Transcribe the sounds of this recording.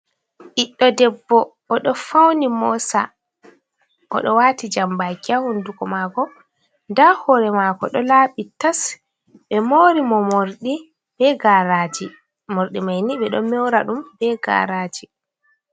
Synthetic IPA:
ʔiɗːɔdɛbːɔː | ɗɔfawnimɔsa̰ | ʔɔ̰ɗɔwaːtid͡ʒambakːahundukɔmaɡɔ | ndahɔɾɛmaːkɔɗɔlaːɓitas | ɓɛmoːɾimɔmoɾɗi | bɛɡaɾad͡ʒi | moɾɗimajniɓɛɗɔmɛwɾaɗumbɛɡa̰ɾaːd͡ʒi

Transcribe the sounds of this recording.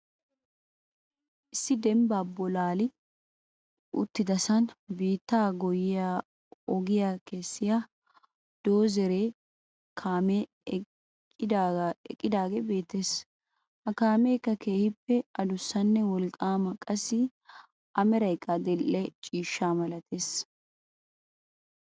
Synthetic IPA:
ʔɪsːɪd̪ɛmbaːbɔlaːlɪ | ʔʊ̰t̪ːɪd̪ɐsɐnbiːt̪ːaːɡɔjɪjaː | ɔɡɪjaːke̞ːsːɪjaː | d̪̥o̞ːzɛɾeː | kʰaːmɛ | ɪd̪̰kʼːɪd̪aːɡɛbe̞ːt̪ːeːs | hɐkaːmeːkːɐke̞ːhɪpːɛɐd̪ʊsːɐnːɛwɔlkʼaːmɐkʼɐsɪ | ʔɐmɛɾɐjkʼːɐd̪ɛlːɛt͡ʃʼiːʃːaːmɐlɐt̪e̞ːs

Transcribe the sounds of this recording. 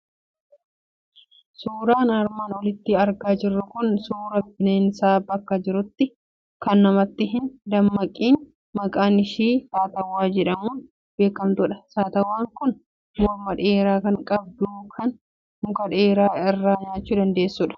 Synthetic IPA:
suːɾaːnɐɾmaːnɔlɪt̪ːɪɐɾɡaːd͡ʒɪrːʊkʊnsuːɾɐbɪneːnsaːbɐkːɐd͡ʒɪɾʊt̪ːɪ | kɐnːɐmɐt̪ːɪɦɪnd̪ɐmːɐkʼiːn | mɐkʼaːnɪʃiːsaːt̪ɐwːaːd͡ʒɛᶑɐmuːn | b̥e̞ːkːɐmt̪ʊᶑɐ̥saːt̪ɐwːaːŋkʊn | mɔɾmɐᶑeːɾaːkɐŋkʼɐb̚d̪uːkʰɐn | mʊkʼɐᶑeːɾaːɪrːaːɲaːt͡ʃːuːd̪ɐnd̪e̞ːsːʊᶑɐ̥

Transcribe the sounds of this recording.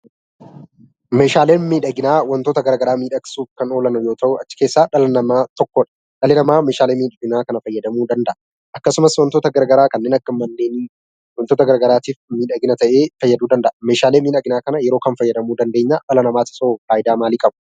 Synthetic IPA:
me̞ːʃaːle̞ːnmiːᶑɐɡɪnaːwɐnt̪oːt̪ɐɡɐɾɡɐɾaːmiːᶑɐksuːfkɐno̞ːlɐnʊjoːt̪ʰɐʔʊɐt͡ʃːɪ̥ke̞ːsːaːᶑɐlɐnɐmaːt̪ɔkːɔᶑɐ̥ | ᶑɐlɪnɐmaːme̞ːʃaːleːmiːᶑɐɡɪnaːkɐnɐfɐjːɐd̪ɐmuːd̪ɐnd̪ɐʔɐ | ʔɐkːɐsʊmɐswɐnt̪oːt̪ɐɡɐɾɡɐɾaːkɐnːeːnɐkːɐmɐnːeːn | wɐnt̪oːt̪ɐɡɐɾɡɐɾaːt̪iːfmiːᶑɐɡɪnɐt̪ɐʔe̞ːfɐjːɐd̪uːd̪ɐnd̪ɐʔɐme̞ːʃaːle̞ːmiːᶑɐɡɪnaːkɐnɐjɛɾo̞ːkɐnfɐjːɐd̪ɐmuːd̪ɐnd̪e̞ːɲːaːᶑɐlɐnɐmaːt̪ɪ̥soːfaːʔɪd̪aːmaːliːkʼɐbʊ

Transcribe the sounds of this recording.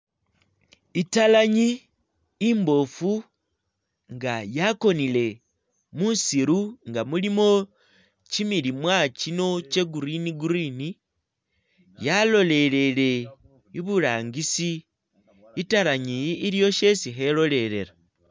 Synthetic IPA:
italaɲiː | mbo̞fu | ŋɡajako̞nile̞ | munsiɾuŋɡamulimo̞ | t͡ʃimilimwat͡ʃino̞t͡ʃe̞ɡuɾiniɡuɾini | jalo̞le̞le̞le̞ | iβulaːŋɡisi | italaɲiːljo̞ʃe̞siɦe̞lo̞le̞ɾe̞̰ɾa

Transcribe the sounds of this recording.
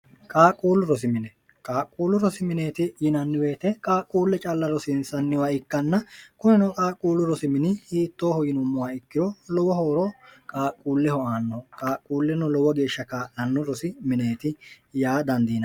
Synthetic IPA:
kʼaːkʼːuːlʊɾɔsɪmɪnɛ | kʼaːkʼːuːlːʊɾɔsɪmɪne̞ːt̪ɪjɪnɐnːɪwe̞ːt̪ɛkʼaːkʼuːlːɛt͡ʃʼɐlːɐɾɔsɪnsɐnːɪwaːɪkːɐnːɐkʊnɛnɔkʼaːkʼuːlːʊɾɔsɪmɪnɪhiːt̪ːoːhɔjɪnʊmːʊwaːɪkːɪɾɔlɔwɐhoːɾɔkʼaːkʼːuːlːɛhɔʔaːnːɔkʼaːkʼːuːlːɛnɔlɔwɐɡe̞ːʃːɐkaːnɐnːʊɾɔsɪmɪne̞ːt̪ɪ | jaːd̪ɐnd̪iːnɐ

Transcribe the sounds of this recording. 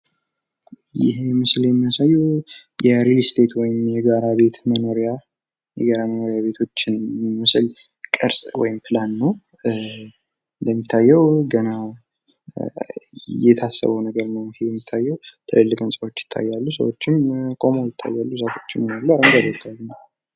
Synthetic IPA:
jɪ̰ɦemɨsljɛmːijasajːujɛɾilist̪ʰe̞t̪wɔjɪmjɛɡaɾaβe̞t̪məno̞ɾija | jɛ̰ɡaɾaməno̞ɾijaβe̞t̪ʰo̞t͡ʃːɪnmɨsɨl | kʼɨɾsʼwɔ̰jɪmplanːəw | ɨnd̪əmːit̪ʰːajːɛwɡəna | jɛt̪ʰasːə̰βəwnəɡəɾnəwjɪhejɛmːit̪ʰːajːɛwt̪ʰɨlɨlːɨkʼɨnsʼwot͡ʃːjɪ̥t̪ʰːa̰jːalːusə̰wot͡ʃːɪnkʼo̞mojɪt̪ʰːa̰jːalːusafʰot͡ʃːɪnunəɡləɾməɡəɾjɪt̪ʰːajːuma

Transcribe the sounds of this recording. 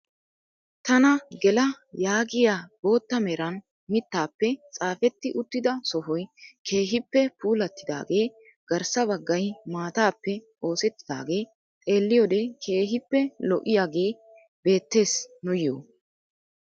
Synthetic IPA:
t̪ɐnɐɡɛlɐ | jaːɡɪjaːbo̞ːt̪ːɐmɛɾɐn | mɪt̪ːaːpːɛt͡sʼaːfɛt̪ːɪʔʊt̪ːɪd̪ɐsɔɦɔjkʰe̞ːɦɪpːɛpuːlɐt̪ːɪd̪a̰ːɡe̞ː | ɡ̥ɐɾsɐbɐɡːɐjmaːt̪aːpːɛ | o̞ːsɛt̪ːɪd̪a̰ːɡe̞ː | t͡sʼe̞ːlːɪjɔd̪eːkʰe̞ːɦɪpːɛlɔʔɪjaːɡe̞ː | be̞ːt̪ːe̞ːsnʊjo̰ː

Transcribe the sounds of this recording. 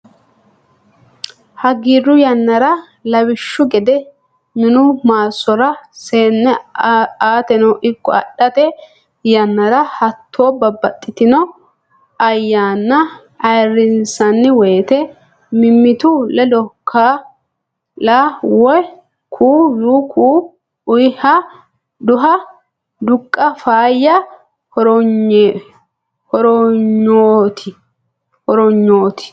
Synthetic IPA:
hɐɡiːrʊjɐnːɐɾɐ | lɐwɪʃːʊɡɛd̪ɛ | mɪnʊmaːsːɔɾɐseːnːɛ | aːt̪ɛnɐwʔɪkːɔ̰ɐ̰ɗːɐt̪ɛ | jɐnːɐɾɐhɐt̪ʰːoːbɐbːɐt̪ʼːɪt̪ɪnɔ | ɐjːaːnːɐ | ɐjrɪnsɐnːɪweːt̪ɛ | mɪmːɪt̪ʊlɛd̪ɔkʰːa | lawɔj | kʰuːjuːkʰuː | ʊjhɐ | d̪ʊɦɐ | d̪ʊkʼːɐfaːjːɐ | hɔɾɔ | hɔɾɔɲoːt̪ʰɪ | hɔɾɔɲːoːt̪ɪ̥

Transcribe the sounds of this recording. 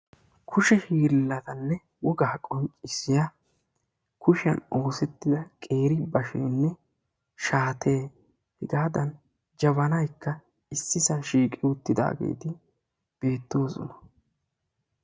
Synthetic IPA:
kʰʊʃɛhiːɾlːɐt̪ɐnːɛ | wɔɡaːkʼɔnt͡ʃʼɪsɪja | kʊʃɪɐno̞ːsɛt̪ːɪd̪ɐkʼe̞ːɾɪbɐʃḛːnːɛ | ʃaːt̪ʰe̞ː | hɪɡaːd̪ɐn | d͡ʒɐβɐnɐjkːɐ | ɪsːɪsɐnʃiːkʼɪwʊt̪ːɪd̪a̰ːɡḛːt̪ɪ | b̥e̞ːt̪ːo̞ːsɔ̰nɐ̥

